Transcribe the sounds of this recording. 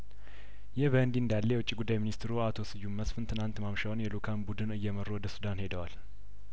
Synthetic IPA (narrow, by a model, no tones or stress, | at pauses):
jɪhbənd̪iɨnd̪alːejɛwʊt͡ʃʼːiɡud̪ːajeminist̪ɾuat̪ʰo̞sɨjːumːəsfɨnt̪ʰɨnant̪mamʃawnjɛlukʰanbud̪ɨnɨjːɛməɾːowɔd̪əsud̪anhe̞d̪əwal